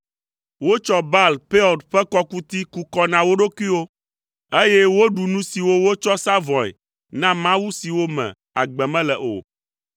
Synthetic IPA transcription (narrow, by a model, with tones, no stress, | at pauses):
wo˦t͡ʃɔ˦ba˦˨lpe˦ɔ˨dɸɛ˦kɔ˦ku˦t̪i˦ku˦kɔ˦nã˨wo˦ɖo˦kwi˦wo˦ | e˦jɛ˦wo˦ɖu˨nũ˦si˨wo˦wo˦t͡ʃɔ˦sa˦vɔ̃˨ɛ̰˨ | nã˦mã˦wu˦si˨wo˦mɛ̰̃˨ | a̰˨ɡ͡bɛ˨mɛ̃˦lɛ˨ʔo̰˨